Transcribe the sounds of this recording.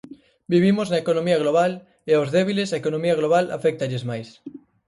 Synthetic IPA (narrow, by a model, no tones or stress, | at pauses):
biβ̞imoznɐekonõmiɐɣ̞loβ̞al | eawzðɛβ̞ilesaɐekonõmiɐɣloβala̰fɛk̚t̪ɐʎezmajs